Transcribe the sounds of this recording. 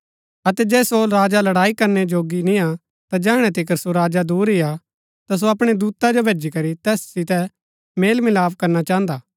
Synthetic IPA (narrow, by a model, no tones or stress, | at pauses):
ɐt̪ɛd͡ʒɛːsoɾaːd͡ʒalɐɽaːikɐɾned͡ʒoːɡinĩa | t̪ad͡ʒɛːɽ̃ɛ̃t̪ɪkəɾsoɾaːd͡ʒad̪uːɾija | t̪as̬oɐpɽ̃ed̪uːt̪ad͡ʒobʱeːd͡ʒikɐɾit̪ɛːssɪt̪ɛ | meːlmɪlaːpkɐɾnat͡ʃãːɦə̃nd̪aː